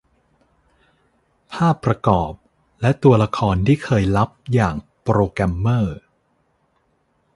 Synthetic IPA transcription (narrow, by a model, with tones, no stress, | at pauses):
pʰaː˥˩pːɾa˧kɔː˨˩p̚ | lɛ˦˥t̪u˧ɐla˧kʰɔː˧nt̪ʰiː˥˩kʰɤː˧jla˦˥p̚jaː˨˩ŋpɾoː˧kɾɛ˧mːɤː˥˩